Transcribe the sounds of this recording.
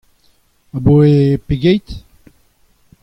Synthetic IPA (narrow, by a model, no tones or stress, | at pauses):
aboepeɡejt̪